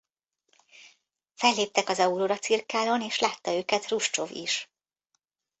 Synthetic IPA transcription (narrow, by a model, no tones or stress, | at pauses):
fɛlːeːp̚t̪ɛkɒzɒuɾoːɾɒt̪sirkaːloneːʃlaːt̪ːɒøːkɛt̪ruʃt͡ʃovḭʃ